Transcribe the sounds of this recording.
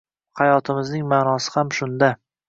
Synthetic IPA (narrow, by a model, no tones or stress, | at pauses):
hajɒt̪ʰɪmɪznɪŋmaːnɒsɪ̥hamʃʊnd̪a